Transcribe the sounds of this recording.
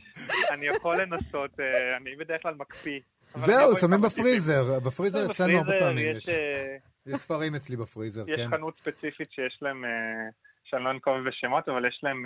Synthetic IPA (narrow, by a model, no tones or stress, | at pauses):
anieχolenasot̪eanibedɛeχlalmakpi | zveusamimbefʁizeʁbefʁizeʁet͡slauaʁbepamijʃ | jeʃsfaʁimet͡slibefʁizeʁjɛkeʃnanut̪spet͡sifitʃejeʃlaeme | ʃanonkoveveʃemot̪avaljɛʃlaem